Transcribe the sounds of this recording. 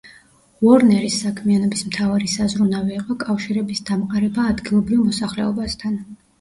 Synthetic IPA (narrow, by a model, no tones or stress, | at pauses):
vɔɾnɛɾisːakʰmianɔbismt̪ʰavaɾisazɾunaviːqʼɔkʼafʃiɾɛbisd̪̥amqʼaɾɛbaːd̪ɡilˠɔbɾivmɔsaχlɛɔbast̪ʰan